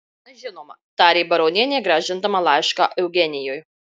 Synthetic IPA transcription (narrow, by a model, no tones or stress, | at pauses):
ɐʒʲɪnoːmɐt̪ɑːɾʲebɐɾoʊnʲiɛnʲeːɡɾɐʒʲɪnd̪ɐmɐlˠɑˑɪʃkaʔɛʊɡʲɛnʲɪjoːj